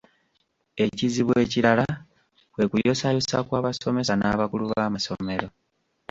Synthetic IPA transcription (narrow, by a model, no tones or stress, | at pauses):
e̞ciziβwe̞ːciɾala | kwe̞kujo̞sajosa̰kwaːβaso̞me̞sanaːβakuluβaːmaso̞̰me̞ɾo̞